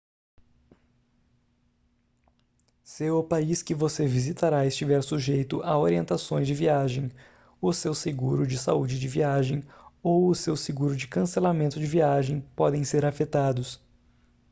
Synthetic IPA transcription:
sɪʊpaiskɪvosevizit̪aɾaɪst͡ʃivɛɾsuʒejt̪ʊʔaoɾiẽnt̪asõj̃zd͡ʒɪviaʒẽj̃ | ʊsewseɡuɾʊd͡ʒɪsa̰ud͡ʒɪd͡ʒɪviaʒẽj̃owʊsewsɪɡuɾʊd͡ʒɪkɐ̃selamẽnt̪ʊd͡ʒɪviaʒẽj̃pɔd̪ẽj̃seɾafet̪ad̪ʊs

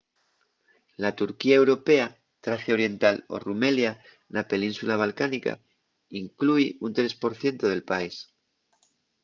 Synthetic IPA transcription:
lat̪uɾkiae̞wɾo̞pe̞a | t̪ɾaθjao̞ɾje̞nt̪alo̞̰rume̞lja | nape̞nĩnsulaβ̞alkanika̰ | iŋkluiunt̪ɾe̞spo̞ɾθje̞nt̪oð̞e̞lpais

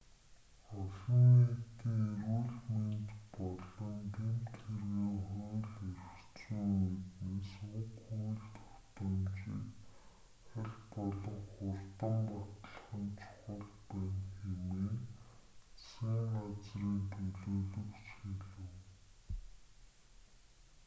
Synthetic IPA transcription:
ɔɮɞ̆ŋet̪iːŋerwuɮment̪pɔɮɞ̆ŋt̪ʰemt̪xerɣeːχʊːɮerk | t͡suːŋmet̪neːsʊkːujɮt̪ʰɔ̥t̪ə̆mt͡ɕḭːk | χæɮʲpɔɮɞ̆ŋχʊrt̪ə̆mpat̪ə̆ɮəχə̆nt͡ɕʰʊ̥χə̆ɮpæːnxemeː | siːŋɢat͡sriːŋt̪ʰɵɮoːɮɵ̆kt͡ɕxeɮɘ̆w

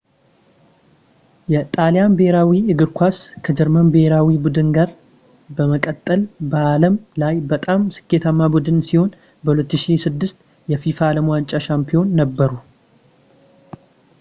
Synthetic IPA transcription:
jɛt̪ʼalijanbəheɾawiɨɡɨɾkʰʷaskʰəd͡ʒɛɾmənbəheɾawibud̪ɨnɡaɾ | bəməkʼət̪ʼːəlbəaləmlajbət̪ʼamsɨ̥kːe̞t̪ʰamːabud̪ɨnsiho̞n | bəhulət̪ːɨʃisɨd̪ːɨst̪ | jɛfifaləmwant͡ʃʼaʃampʰijo̞nːəbːəɾu

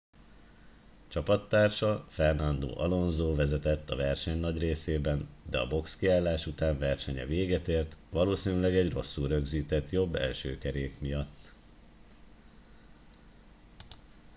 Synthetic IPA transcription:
t͡ʃɒpɒt̪ːaːrʃɒfɛrnɒnd̪o̰ːʔɒlo̞nzoːvɛzɛt̪ɛt̪ːɒvɛrʃɛɲnɒɟreːseːbɛnd̪ɛɒ̰bo̞kskiaːlːaːʃut̪aːɱvɛrʃɛɲɛ̰veːɡɛt̪eːrt̪ʋɒloːsiːnylɛɡɛɟro̞sːuɾø̞ɡziːt̪ɛt̪jo̞bːɛ̰lʃøːkɛɾeːkmijɒt̪ː

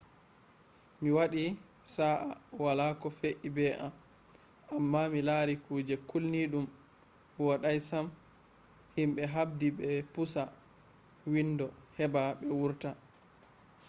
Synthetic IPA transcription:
miwaɗi | saʔa̰walakɔfeʔibɛʔam | ʔamːamilaɾikuːd͡ʒɛkulniɗum | wɔɗajsam | himɓɛɦab̚diɓɛpusa | windɔhɛbaɓɛwuɾta

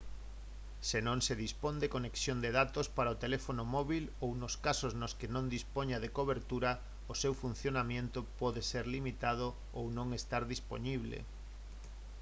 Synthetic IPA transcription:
senõŋseðispond̪ekoneksjond̪eðat̪ospaɾaot̪elefonomɔβilownoskasoznoskenõnd̪ispoɲaðekoβeɾt̪uɾa | osewfun̟θjonamjẽnt̪ʊpɔðeseɾlimit̪að̞o | ownõŋest̪aɾðispo̰niβlḛ

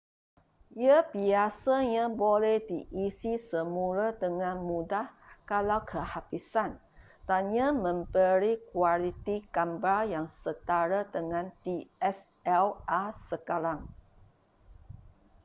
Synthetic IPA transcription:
jəbiasaɲãbolɛhdiʔisisəmuɾədəŋãnmũdahkalawkʰəhapisan | t̪anɲãmə̃mbəɾikwalit̪ikambajaŋsət̪aɾəd̪əŋãnt̪iɛs | ɛlasəkaɾaŋ

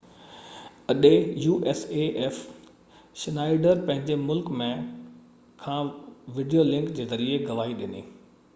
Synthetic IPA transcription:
ɐɗejuːʔeːseʔɛːf | ʃɪnaːɪɖəɾpɐ̃ɦɪ̃ɲd͡ʑemʊlkmẽ | kʰãːʋɪɖijolɪ̃ŋkd͡ʑeːzɐɾieɡɐʋaːɦiɗɪnḭː

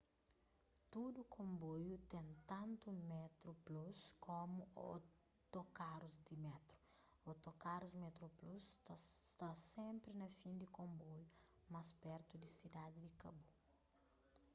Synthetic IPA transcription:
t̪ud̪ukʰõmbojut̪ẽnt̪ɐ̃nt̪umɛt̪ɾupluskʰomuo | t̪okaɾuzd̪imɛt̪ɾu | ot̪okaɾuzmɛt̪ɾoplust̪asẽmpɾinɐfĩnd̪ikõmboju | maspɛɾt̪ud̪isid̪ad̪id̪ikɐbu

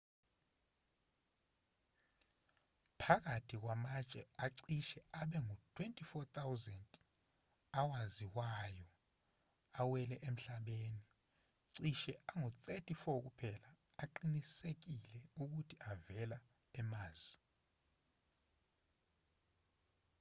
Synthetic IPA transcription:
pʰak̬atʰik̬wamat͡ʃʼɛaǀiʃɛaɓɛŋutʰwentʼifɔt̪ʰʼawzɛntʼ | awaziwajɔ | awɛlɛʔem̩ɬaɓeːni | ǀiʃɛaŋut̪ʰʼɛtʰʼifɔk̬upʰɛlaːǃinisek̬ilɛuk̬utʰiʔavɛla | ɛmaːz̥i

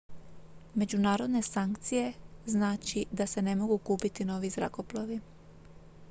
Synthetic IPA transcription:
me̞d͡ʒunaːɾo̞d̪ne̞saŋkt̪sije̞znaːt͡ʃid̪ase̞ne̞mo̞ɡukuːpit̪ino̞ʋizɾa̰ko̞plˠoʋi

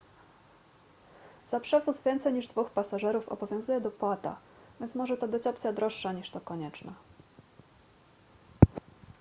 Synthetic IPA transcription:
zapʂɛvusvʲjɛnt̪sɛjɲiʐd̪vuxpasaʐɛɾufɔ̰bɔvʲjɔ̃w̃zujɛd̪ɔpwat̪a̰ | vʲjɛnt̪smɔʐɛt̪ɔbɘt͡ɕɔpt̪sʲjad̪ɾɔʂːaɲiʂt̪ɔkɔɲɛt͡ʂna̰

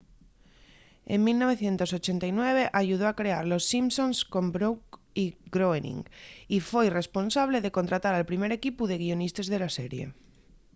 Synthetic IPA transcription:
ḛŋmilno̞βe̞θje̞nt̪o̞so̞t͡ʃe̞nt̪ajnwe̞β̞e̞ʔaʝuð̞oakɾe̞aɾlo̞sːimsõ̞nsko̞mbɾowk | iɡɾoenḭŋifwejre̞spo̞nsaβ̞le̞ðe̞ko̞nt̪ɾat̪aɾalpɾime̞ɾe̞kipuðe̞ɣ̞ionist̪ezðe̞lase̞ɾje̞̰

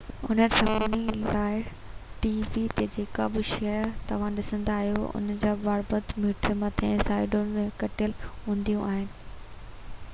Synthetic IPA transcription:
ʊn̤əɾsɐbʱnilaːɪ | ʈiːʋit̪ed͡ʑeːkabɪʃɛɾt̪ɐʋ̤ãɗɪsə̃nd̪aːɦijoʊ̰nd͡ʑaːbaːɽbət̪muːʈʰəmɐt̪ʰẽsaːɪɖonmẽkɐʈɪjəlɦũːnd̪ijũʔaːɦɪnɪ̆

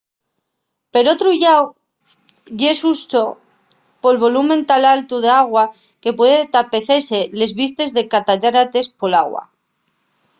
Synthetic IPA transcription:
pe̞ɾo̞t̪ɾuʝaw | ʝe̞sust̪o | po̞lβo̞lumẽnt̪alalt̪uð̞eaɣwa | ke̞pwe̞ðt̪ape̞θe̞sele̞zβist̪e̞zðe̞kat̪aðɾat̪e̞spo̞laɣwa̰

